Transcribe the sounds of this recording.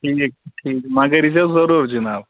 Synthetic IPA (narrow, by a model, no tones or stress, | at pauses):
ʈʰiːk̚ʈʰiːkmaɡəɾisazəɾuɾd͡ʒinaːb